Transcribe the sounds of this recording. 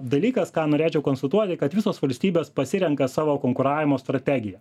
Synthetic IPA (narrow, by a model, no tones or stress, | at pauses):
d̪ɐlʲiːkɐskɑːnoːɾʲeːt͡ʃʲɛʊkonst̪ɐt̪uɔt̪ʲɪkɐt̪ʋʲɪsoːsʋɐlʲsʲt̪ʲiːbʲeːspɐsʲɪɾʲɛŋkɐsɑːʋoːkoŋkʊɾɑːʋʲɪmoːst̪ɾɐt̪ʲæɡʲɪjɛ